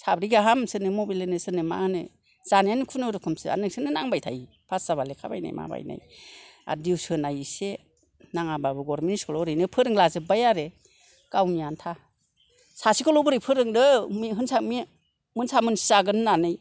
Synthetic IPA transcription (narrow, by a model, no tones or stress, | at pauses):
sabɾiɡaɦamsɯnɯmobilenɯsɯnɯma̰ɯnɯ̰ | z̥anijanɯkʰunɯɾɯkʰɯmsɯa̰nɯŋsɯnɯnaŋbajtʰaj | pʰasz̥aβalekʰaba̰jna̰jma̰ba̰jna̰ja̰diwsɯnajse | naŋababɯɡɔɾmeniskʰɔlɔɾɯnɯpʰɯɾɯŋlazɯbajaɾe | kawnijantʰa | sasikʰɯlɔbɯɾɯpʰɯɾɯŋdɯmiɦɯnsami | mɯnsamɯnsiaɡɯnɯnanɯj